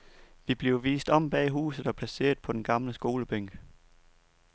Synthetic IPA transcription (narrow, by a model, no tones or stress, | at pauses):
ʋib̥le̝ʊʋḭːsd̥ɒ̽m̰b̥ɛːɦṵːsð̞̩ˠɒ̽pʰlæse̝̰ːɐð̩ˠpʰɒ̽d̥enɡ̥ɑ̈mləsɡ̥o̝ːləb̥øŋ̰ɡ̥